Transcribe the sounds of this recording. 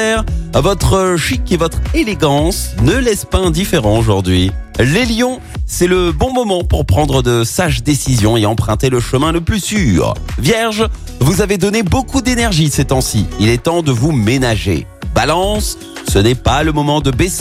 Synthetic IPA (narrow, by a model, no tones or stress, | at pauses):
ɛʁvɔt̪χəʃikevɔt̪χeleɡɑ̃snəlɛspaɛ̃d̪ifeʁɑ̃oʒuʁd̪ɥi | leljɔ̃ | sɛləbɔ̃mɔmɑ̃puʁpχɑ̃d̪ʁəd̪əsaʒd̪esizjɔ̃eɑ̃pχɛ̃t̪eləʃəmɛ̃ləplysyːʁvjɛʁʒ | vuzaved̪ɔnebokud̪enɛʁʒisɛt̪ɛ̃siilɛt̪ɑ̃d̪əvumenaʒḛ | balɑ̃sː | ənɛpaləmɔmɑ̃d̪əbes